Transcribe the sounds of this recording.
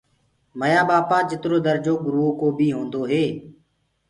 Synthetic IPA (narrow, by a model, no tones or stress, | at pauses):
məjaːɓaːpaːd͡ʒɪt̪ɾoːd̪əɾd͡ʒoːɡɾuːoːkoːbʱiːɦõːnd̪oːɦeː